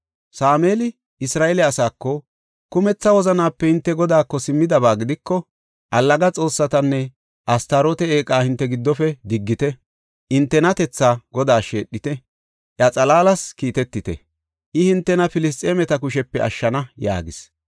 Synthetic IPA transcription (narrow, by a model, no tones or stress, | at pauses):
saːmeːlɪ | ɪsɾaːɛlɛɐsaːkːɔ | kʊmɛt͡sːɐwɔzɐnaːpːɛhɪnt̪ːɛɡɔd̪aːkːɔsɪmːɪd̪ɐbaːɡɪd̪ɪkːɔ | ʔɐlːɐɡɐt͡sʼo̞ːsːɐt̪ɐnːɛ | ʔɐst̪ɐɾot̪ɛeːkʼaːhɪnt̪ːɛɡɪd̪ːɔfɛd̪ɪɡːɪt̪ɛ | ɪnt̪ːɛnɐt̪ɛt͡sːaːɡɔd̪aːʃe̞ːɗːɪt̪ɛ | ʔjɐt͡sʼɐlaːlɐskiːt̪ɛt̪ːɪt̪ɛ̰ | ʔɪhɪnt̪ːɛnɐfɪlɪs̬t̪ʼeːmɛt̪ɐkʊʃɛpːɛɐ̰ʃːɐnɐja̰ːɡɪs